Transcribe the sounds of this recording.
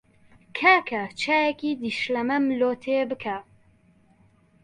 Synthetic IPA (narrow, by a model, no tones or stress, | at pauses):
kʰaːkʰɐt͡ʃʰaːjekiːd̪iːʃlɐmɐmloːt̪ʰeːbɨkʰaː